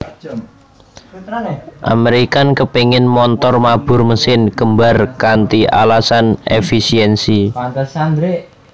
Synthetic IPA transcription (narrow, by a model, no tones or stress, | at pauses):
ʔa̰meɾikankəpeŋɪnmɔnt̪ɔrmab̥ʊ̤rməsɪnkəmba̤rkant̪iʔa̰lasanḛfisiɛnsi